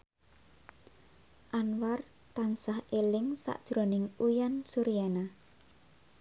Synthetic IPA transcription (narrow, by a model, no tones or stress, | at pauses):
ʔanwar | t̪ansahelɪŋsa̰ʔd̥ʒ̥ɾo̤nɪŋujansuɾijana